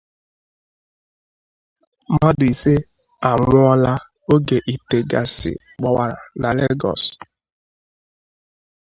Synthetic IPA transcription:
ma˦dʊ˨i˨se˦ | a˨ŋʷʊ˦ɔ˦la˦ | o˦ɡe˨ʔi˨te˨ɡa̰˨sɪ̰˨ | k͡pɔ˦wa˨ɾa̰˨na˨le˦ɡɔ̰˨s

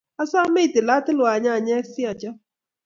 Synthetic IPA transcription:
a˦sa˦me˦i˨tɪ˨la˦tɪ˦lwa˨ɲa˦˨ɲɛ˦sɪ˦a˨t͡ʃa˦

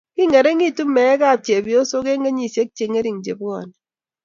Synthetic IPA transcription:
ki˦ŋɛ˨ɾe˦ŋi˦˨tu˦mɛ˨˦ka˦˨t͡ʃe˨bi˨o˦so˦ke˦ŋe˦ɲi˦˨se˦k̚t͡ʃe˨ŋe˦ɾi˨ŋd͡ʒḛ˨bɔ̰˨n

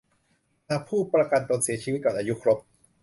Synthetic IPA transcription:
naː˧pʰuː˥˩pɾa˧ka˧nt̪o˧nsi˨˩˦t͡ɕʰi˧wi˦t̪̚kɔː˨˩nʔaː˧ju˦˥kʰɾo˦˥p̚

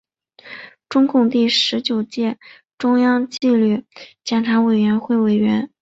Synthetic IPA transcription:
ʈ͡ʂʊ˥ŋkʊ˥˧ŋt̪i˥˩ʂɻ̩˧˥t͡ɕjo˨˩ʊt͡ɕjɛ˥˩ | ʈ͡ʂʊ˥ŋjɑ˥ŋt͡ɕi˥˧ly˥˩t͡ɕjɛ˨˩nʈ͡ʂʰa˧˥we˨˩ɪɥɛ˧˥nxwe˥˩ɪwe˨˩ɪɥɛ˧˥n

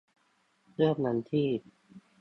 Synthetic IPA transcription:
lɯ˥˩pna˧˥nt̪ʰiː˥˩

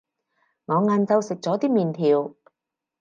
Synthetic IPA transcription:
ŋɔː˨˧ŋaː˧nt͡sɐ˧wsɪ˨k̚t͡sɔː˨˥t̪iː˥miː˨nt̪ʰiː˨w

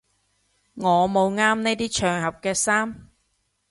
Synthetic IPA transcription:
ŋɔː˨˧mo˨˧wŋaː˥mne˥jt̪iː˥t͡ʃʰœː˨ŋhɐ˨p̚kɛː˧saː˥m

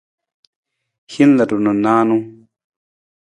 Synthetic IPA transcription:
hi˦n˦la˨du˨nu˨naː˦nũ˦

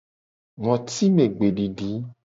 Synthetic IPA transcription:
ŋɔ̃˨t̪i˦mẽ˨ɡ͡be˨ɖi˨ɖi˨˦

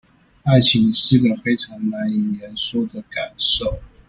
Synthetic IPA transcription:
a˥˩ɪt͡ɕʰi˧˥ŋʂɻ̩˥˩ɡə˨˩fe˥ɪʈ͡ʂʰɑ˧˥ŋna˧˦˥ni˨˩jɛ˨˦nswɔ˥d̪ə˨ka˨˩nʂo˥˩ʊ

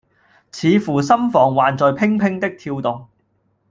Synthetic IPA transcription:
t͡sʰiː˨˧fuː˨˩sɐ˥mfɔː˨˩ŋwaː˨nt͡sɔː˨jpʰɪ˥ŋpʰɪ˥ŋt̪ɪ˥k̚t̪ʰiː˧wt̪ʊ˨ŋ

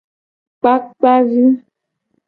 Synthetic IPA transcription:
k͡pa˦k̚k͡pa˦vi˦

